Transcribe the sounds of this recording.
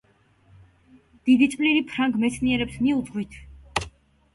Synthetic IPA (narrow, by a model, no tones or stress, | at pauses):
d̪̥id̪it̪sʼvʼliɾipʰɾaŋɡmɛt̪sʰniɛɾɛpsmiud̪ʁwit̪ʰ